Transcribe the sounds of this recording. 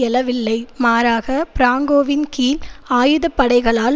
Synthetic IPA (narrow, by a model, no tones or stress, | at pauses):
ɛlɐʋɪlːɐɪmaːɾaːɣɐpɪɾaːŋɡoːʋɪnkiːlaːjɯðɐpːɐɽɐɪɣɐɭaːl